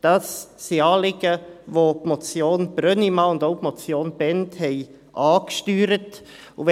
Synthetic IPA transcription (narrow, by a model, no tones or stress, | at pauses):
d̥ɑsːiɑːlɪɡəvopmot͡sjoːnb̥ɾœnimɑːʊndoʊpmɔt͡sjoːnb̥ɛnthɛɪ | ʔɑːkʃtyːɾət | ʊv